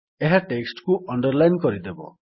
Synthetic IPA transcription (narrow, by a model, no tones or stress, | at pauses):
eɦaʈeksʈkuʔɔɳɖɔɾlajnkɔɾid̪ebɔ̰